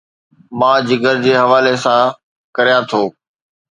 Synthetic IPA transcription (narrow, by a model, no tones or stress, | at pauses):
mãːd͡ʑɪɡəɾd͡ʑeːɦɐʋaːlesãː | kɐɾijãt̪ʰoː